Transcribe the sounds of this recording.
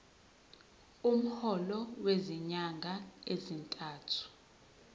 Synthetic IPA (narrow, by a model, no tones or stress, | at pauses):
um̩hɔlɔweziɲaŋɡʱaezintʼaːtʰu̥